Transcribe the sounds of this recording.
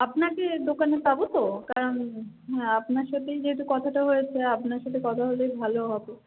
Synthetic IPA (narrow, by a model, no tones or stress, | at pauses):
apnaked̪okanepabot̪okaɾon | ɦɛapnaɾʃat̪ʰejd͡ʑeɦet̬ukɔt̪ʰaʈaɦojet͡ɕʰeapnaɾʃat̪ʰekɔt̪ʰaɦolojbʱaloɦabo